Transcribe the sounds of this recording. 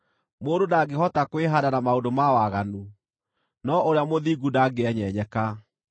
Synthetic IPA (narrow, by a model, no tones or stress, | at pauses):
moːndodaɡeɦɔtakweɦadanamaodomawaɣanu | nɔʔoɾeamoðiɡudaɡeɛɲɛɲɛka